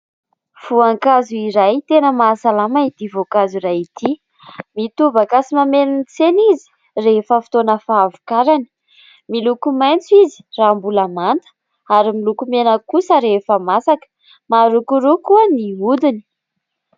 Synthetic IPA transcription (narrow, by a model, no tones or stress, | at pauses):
v̥uaŋkazuiɾajt̪enəmasalamait̪ivokazuɾajit̪i | mit̪uvakasimamenint͡senizi̥ | refəfi̥t̪onəfaːvukaɾani̥ | milukumajnt͡suizi̥raːmbulamant̪ə̥ | aɾimilukumenəkusəɾefəmasakə̥ | maɾukuɾukuəniud̪ini̥